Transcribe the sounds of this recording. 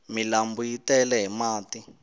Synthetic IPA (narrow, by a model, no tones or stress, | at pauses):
milambujitɛlɛɦimaːti